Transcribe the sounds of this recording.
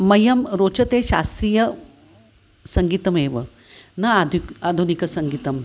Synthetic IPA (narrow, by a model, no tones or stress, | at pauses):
mɐjɐmɾot͡ʃɐt̪eɕa̰st̪ɾiːjɐ | sɐŋɡit̪ɐmeʋə | nɐad̪ʱikad̪ʱunikɐsɐŋɡit̪ɐm